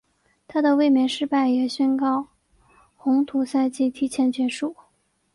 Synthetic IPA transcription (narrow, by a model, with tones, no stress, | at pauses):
t̪ʰa˥d̪ə˨we˥˩ɪmjɛ˧˥nʂɻ̩˥˧pa˥˩ɪjɛ˨˩ɕɥɛ˥nkɑ˥˩ʊ | xʊ˧˥ŋt̪ʰu˧˥sa˥˧ɪt͡ɕi˥˩t̪ʰi˥t͡ɕʰjɛ˧˥nt͡ɕɥɛ˧˥ʂu˥˩